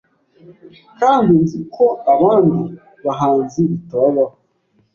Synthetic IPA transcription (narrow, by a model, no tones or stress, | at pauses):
kaːndinzikʰoaβaːndu | βaɦaːnziitaβa